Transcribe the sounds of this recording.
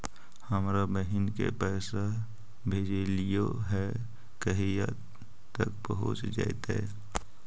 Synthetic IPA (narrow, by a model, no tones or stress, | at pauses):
həmɾabəɦɪnkḛpɛːsa | bʱeːd͡ʒelijoɦɛ | kəɦija̰ | t̪əkpəɦʊ̰t͡ʃd͡ʒa̰et̪ḛ